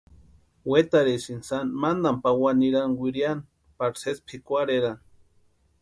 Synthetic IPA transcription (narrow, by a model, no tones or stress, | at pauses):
wet̪aɾesinsanmand̪ampawaniɾanwʷiɾjan | paɾsespʰikʷaɾeɾan